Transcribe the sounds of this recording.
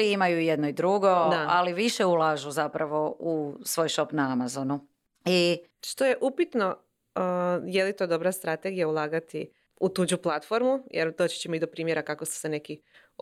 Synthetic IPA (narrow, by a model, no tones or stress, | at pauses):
iimajujed̪noid̪ɾuɡo̞dd̪aaliʋiʃeulˠaʒuzapɾaʋo̞usʋo̞ːjʃo̞pnaamazonu | i | ʃt̪o̞je̞ʔupit̪no̞ | jelit̪o̞d̪o̞bɾast̪ɾat̪e̞ɡijaulˠaːɡat̪i | ut̪ud͡ʑuplˠat̪fo̞ɾmujʔeɾd̪o̞ːt͡ɕe̥t͡ɕemoid̪opɾiːmjeɾakakost̪e̥sene̞ki